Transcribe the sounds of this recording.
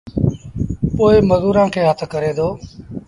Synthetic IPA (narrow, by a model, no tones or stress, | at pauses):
poːɪməzuːɾãːkʰeːɦət̪ʰkəɾeːd̪oː